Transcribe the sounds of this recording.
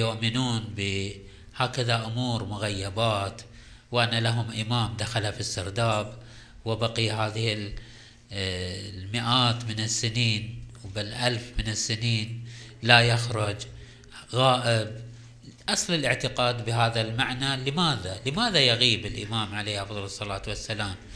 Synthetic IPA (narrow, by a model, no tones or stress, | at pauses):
jʊʔmɪnuːnbɪ | haːkaðaʔʊmuːɾmʊɣajːabaːt̪ | wʔanːalaɦʊmʔɪmaːmd̪axalafisːɪɾd̪aːb | wɪbaqiɦaːðɪhɪl | mɪʔaːt̪mɪnɪsːɪniːnwbɪlʔalfmɪnɪsːɪniːnlajaxɾʊd͡ʒ | ɣaːʔɪb | ʔɑsˤlɪlʔɪʕt̪ɪqaːd̪bɪɦaːðalmaʕnalɪmaːðalɪmaːðajaɣiːbɪlʔɪ̰maːmʕalejːʔɑfðˤɑlɨsˤːɑlaːt̪wasːalaːm